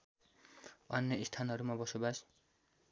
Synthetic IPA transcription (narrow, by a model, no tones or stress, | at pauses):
ʌnjʌist̪ʰanɦʌɾumabʌsobas